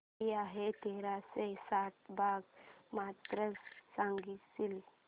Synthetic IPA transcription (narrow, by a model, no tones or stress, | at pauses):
iaɦet̪eɾasesat̪bʱaɡmat̪ɾəssãŋɡisil